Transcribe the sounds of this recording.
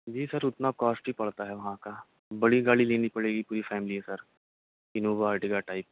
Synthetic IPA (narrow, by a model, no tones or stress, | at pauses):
bʱiːsəɾʊt̪nakɔːsʈbipɐɭt̪aɦɛʋɐɦãka | bɐɽiɡaːɭileːnipɐɽeːɡipuːɾifɛːmɪliɦɛsəɾ | ɪnoːʋaɾʈiɡaʈaːɪp